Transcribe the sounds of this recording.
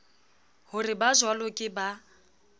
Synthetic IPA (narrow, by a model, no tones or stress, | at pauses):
hʊrɪbazwalʊkʼɪba